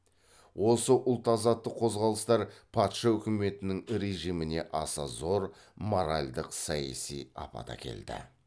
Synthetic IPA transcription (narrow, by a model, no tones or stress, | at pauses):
wo̞səʔʊlˠt̪ɑzɑt̪ːəqʰo̞zʁɑlˠəst̪ɑɾpʰɑt̪ʃɑwʏkʲɪme̞t̪ɪnɪŋɾe̞ʒijmɪne̞ʔɑsɑzo̞ɾ | mo̞ɾalʲd̪əqsɑjɑ̰sḭjɑ̰pɑ̰t̪ɑ̰kʲʰe̞̰ld̪ɪ̰